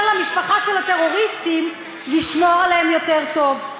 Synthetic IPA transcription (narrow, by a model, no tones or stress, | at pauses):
nlamiʃpaχaʃelhat̪e̞ʁo̞ʁist̪im | liʃmoʁaleemjo̞t̪eʁto̞v